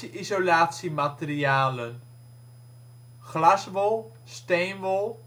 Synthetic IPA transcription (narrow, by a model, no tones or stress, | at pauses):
iʔizolaːtsimatəriaːlən | χlɑsʋolˠ | stejnʋolˠ